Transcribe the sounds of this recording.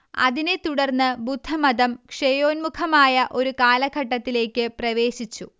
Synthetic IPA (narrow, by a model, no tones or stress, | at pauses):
ɐ̰ðine̞t̪uɽɐrnːɨbud̪ʱːɐmɐðɐmkʂejo̞ːnmukʰɐmaːjɐʔo̞ɾukaːlɐɡʱɐʈːɐt̪ːile̞ːkʲːɨprɐʋe̞ːɕit͡ɕːu